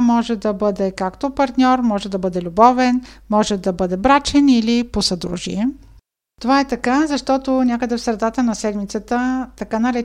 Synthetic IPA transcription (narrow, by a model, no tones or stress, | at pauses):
mɔʒɛd̪ɐbɤd̪ɛkakt̪opɐɾt̪nʲɔɾmɔʒɛd̪ɐbɤd̪ɛlʲubɔvɛnmɔʒɛd̪ɐbɤd̪ɛbɾat͡ʃɛniliposɐd̪ɾṵʒḭɛ | t̪ovaɛt̪ɐkazɐʃt̪ɔt̪onʲakəd̪ɛfsɾɛd̪at̪ənɐsɛd̪mit̪sət̪ət̪ɐkanɐɾɛ